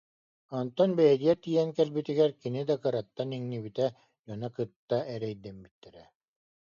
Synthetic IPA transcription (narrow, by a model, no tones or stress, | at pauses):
ɔnt̪ɔnbɛjɛd̪ijɛt̪iːjɛŋkɛlbit̪iɡɛɾkinid̪akɯɾat̪ːaniŋnibit̪ɛ | jɔnakɯt̪ːaɛɾɛjd̪ɛmbit̪ːɛɾɛ